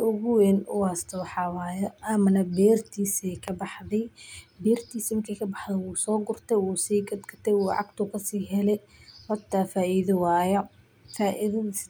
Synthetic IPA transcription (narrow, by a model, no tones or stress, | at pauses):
ʊɣʊwɛnʊ̰ast̪ʰɐwɑħɑwɑːjɐʔɐmɐnɐbɛːrt̪ʰiːsɛjkʰɐbɑħðɛjbɛːrt̪ʰiːsmɪkʰɐkʰɐbɑħdɛwuːsɔːɡʊrt̪ʰɛwuːsiːɡɐd̪kʰɐt̪ʰɛjwuːʕɑ̰ɡt̪ʰʊkʰɐsiːɦɛlɛj | hɐt̪ʰːaːfaːʔiðɪwaːjɐ | faːʔiðɪ